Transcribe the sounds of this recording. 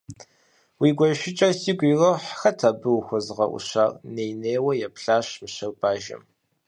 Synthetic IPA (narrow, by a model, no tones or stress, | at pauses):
wiːɡʷɐʃɪt͡ʃʼɐrsiːɡʷʼiroħxɐtʰaːbɨwxʷɐzɨʁɐ̰ʔʷʊ̰ɕaːrneːjneːwɐjɛpʰɬaːɕmɨɕɐrbaːʒɐ̰m